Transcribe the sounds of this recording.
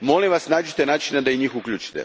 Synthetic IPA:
mo̞liʋasnaːd͡ʒit̪enaːt͡ʃinad̪aiɲiːxuklʎʲuːt͡ʃi̥t̪ḛ

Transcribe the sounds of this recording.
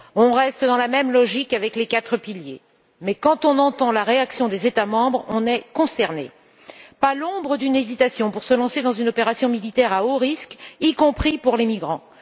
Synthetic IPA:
ɔ̃ʁɛst̪d̪ɑ̃lamɛmlɔʒikavɛklekat̪χəpilje | mɛkɑ̃t̪ɔ̃nɑ̃t̪ɑ̃laʁeaksjɔ̃d̪ezet̪amɑ̃bʁɔ̃nɛkɔ̃st̪ɛʁnḛ | palɔ̃bʁəd̪ynezit̪asjɔ̃puʁsəlɑ̃sed̪ɑ̃zynɔpeʁasjɔ̃milit̪ɛʁaoʁiskikɔ̃pχipuʁlemiɡʁɑ̃

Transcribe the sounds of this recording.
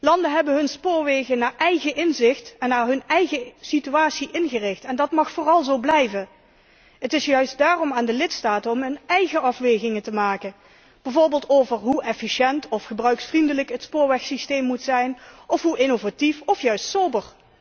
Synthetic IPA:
lɑndəɦɛbənɦɵnspʊːɹʋejɣənaːɹʔɛjɣəʔɪnzɪxtɛnːaːɹɦɵnɛjɣəsityaːtsiʔɪnɣərɪxtɛndɑtmɑxfoːrɑlˠzowblɛjvə | ɦətɪsjœɥs̚daːrɔmaːndəlɪtstaːtənɔmɦɵnɛjɣəɑfʋejɣɪŋəntəmaːkən | b̥ɛvoːɹbɪːlˠtowvəɹɦuʔɛfiʃɛntɔfχəbrœɥksfrindələkətspʊːɹʋɛxsisteːmːutsɛjnɔfɦuʔɪnovatifɔfjœɥstsobər

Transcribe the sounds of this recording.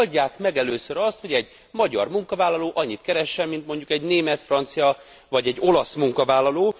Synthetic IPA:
ɟːaːkmɛɡɛløːsøɾɒst̪ho̞ɟɛɟ | mɒɟɒ̰rmuŋkɒvaːlːɒloːʔɒɲːit̪kɛɾɛʃːɛmːint̪mo̞ɲɟukɛɟneːmɛt̪frɒnt̪sijɒ | vɒɟɛɟːo̞lɒsmuŋkɒvaːlːɒloː

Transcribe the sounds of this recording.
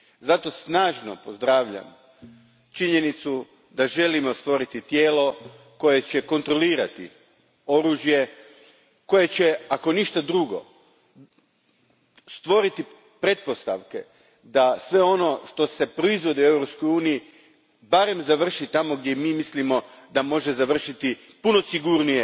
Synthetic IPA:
zat̪o̞snaːʒno̞pozd̪ɾaːʋʎa̰m | t͡ʃiɲe̞nit̪su | d̪aʒe̞limo̞st̪ʋo̞ɾit̪it̪je̞ːlo̞ | ko̞je̞t͡ɕe̞ko̞nt̪ɾo̞liːɾat̪ḭ | o̞ɾuːʒje̞ | ko̞je̞t͡ɕe̞ako̞niʃt̪ad̪ɾuɡo̞̰ | st̪ʋo̞ɾit̪i | pɾe̞t̪̚po̞st̪a̰ʋke̞̰ | d̪asʋe̞o̞no̞ʃt̪o̞se̞pɾo̞izʋo̞d̪iue̞ʋɾopskojuːniji | baɾe̞mzaʋr̩ʃit̪amo̞ɡd̪jemiːmislimo̞d̪amo̞ʒe̞zaʋr̩ʃit̪i | puno̞siɡuɾnije

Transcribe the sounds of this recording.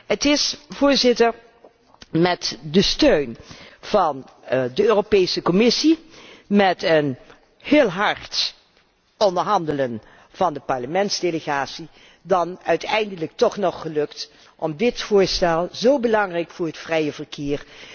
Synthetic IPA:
ɦətɪsv̥ʊːɹzɪtəɹ | mɛtdəstøɥnv̥ɑn | dəøːropejsəkɔmɪsi | mɛtən | hɪːlˠɦɑɹt | ɔndəɹɦɑndələn | v̥ɑndəpɑɹləmɛntzdeləχaːtsi | dɑnœɥtɛjndələk̚tɔχnɔχːəlɵkt | ʔɔmdɪtfʊːɹstɛlˠzowbəlɑŋrɛjkfʊːɹɦətfrɛjəvəɹkʰɪːɹ

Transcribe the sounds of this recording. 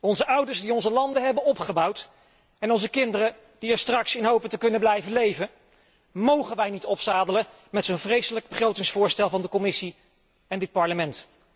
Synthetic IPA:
ɔnzəʔʌwdəɹsdiɔnzəlɑndəɦɛbənɔpχəbɑwt | ɛnɔnzəkɪndərə | d̥iɛɹstrɑksɪnɦowpətəkɵnəblɛjvənlejvə | mowχənʋɛjnitɔpsaːdələ | mɛtsonvrejsələɡ̚bəχrowtɪŋsfʊːɹstɛlˠvɑndəkɔmɪsi | ɛndɪt̚pɑɹləmɛnt

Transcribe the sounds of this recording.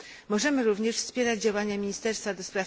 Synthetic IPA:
mɔʐɛmɘɾuvɲɛʂfspʲjɛɾad͡ʑd͡ʑawaɲamʲiɲist̪ɛɾst̪fad̪ɔspɾaf

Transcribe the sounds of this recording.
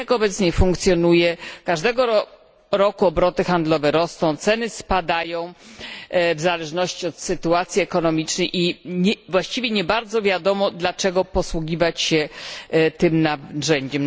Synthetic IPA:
akɔbɛt̪sɲɛfuŋkt̪sʲjɔnujɛkaʐd̪ɛɡɔ | ɾɔkuɔbɾɔt̪ɘxand̪lɔvɛɾɔsnɔ̃w̃t̪sɛnɘspad̪ajɔ̃w̃ | vzalɛʐnɔɕt͡ɕiɔt̪sɘt̪uat̪sʲjiɛkɔnɔmʲit͡ʂnɛjʔivwaɕt͡ɕivʲjɛɲɛbaɾd̪zɔvʲjad̪ɔmɔd̪lat͡ʂɛɡɔpɔswuɡʲivat͡ɕɕɛ | t̪ɘmnaʐɛɲd͡ʑɛm

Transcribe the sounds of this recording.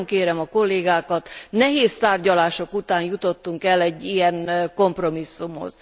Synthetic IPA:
ŋkeːɾɛmɒko̞lːeːɡaːkɒt̪nɛɦeːst̪aːrɟɒlaːʃokut̪aːnjut̪o̞t̪ːuŋkɛlːɛɟːijɛŋko̞mpro̞misːumho̰z̥

